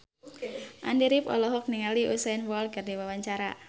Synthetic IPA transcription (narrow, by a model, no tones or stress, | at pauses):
ʔa̰ndiɾipɔ̰lɔɦɔk̚niŋaliʔusanwɔlɡardiwawaɲt͡ʃaɾa̰